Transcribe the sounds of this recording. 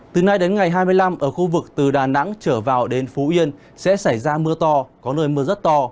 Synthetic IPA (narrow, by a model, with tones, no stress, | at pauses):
t̪ɨ˨˩na˧jɗe˨˦nŋa˨˩jɦaː˧jmɨ˧əjla˧mʔəː˧˩xu˧vɨ˨˩k̚t̪ɨ˨˩ɗaː˨˩na̰˧˥ŋt͡ɕəː˧˩vaː˨˩wɗe˨˦nfu˨˦ʔi˧ən | sɛ̰˧˥sa˧˩jzaː˧mɨ˧ət̪ɔ˧kɔ˨˦nəː˧jmɨ˧əzə˦˥t̚t̪ɔ˧